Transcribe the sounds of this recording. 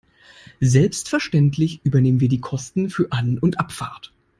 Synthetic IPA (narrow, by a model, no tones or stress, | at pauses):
zɛlpstfɛɐʃtɛntʰlɪçʔyːbɐneːmənviːɐdiːkʰɔstn̩fyːɐʔanʊntʔapfa̰ɐt